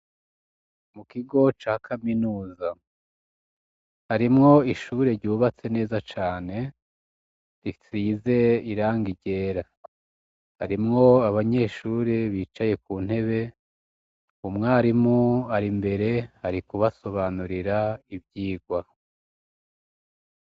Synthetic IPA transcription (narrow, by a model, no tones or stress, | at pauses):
mukiɡo̞t͡ʃaːkʰaminuːza | haɾimŋo̞iʃuːɾe̞ɾɟuːβat͡se̞ne̞ːzat͡ʃaːne̞ | ɾisiːze̞iɾaːŋɡiɟe̞ːɾa | haɾimŋo̞aβaɲe̞ʃuːɾiβiːt͡ʃaje̞kuːn̥he̞βe̞ | umŋaːɾimoaɾimbe̞ɾe̞haɾikuβaso̞βanuɾiɾaibjiːɡwa